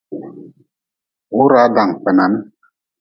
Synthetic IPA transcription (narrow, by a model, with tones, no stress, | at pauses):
u˦ɾa˨˦da˨ŋ˨k͡pɛ˨na˨˦n˦